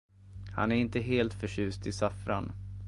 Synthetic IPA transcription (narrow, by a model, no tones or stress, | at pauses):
ha̰næɾɪnt̪əɦeːlt̪fœɕʉ̟ːst̪ʰɪsafɾa̰n